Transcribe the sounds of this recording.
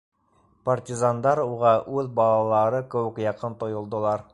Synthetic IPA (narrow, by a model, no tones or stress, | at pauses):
partʲizand̪ɑɾuʁɑʔʉðbɑlˠɑlˠɑɾɤkɘ̆wɘ̆kjɑqɤnt̪ŏjŏlˠd̪ŏlˠɑɾ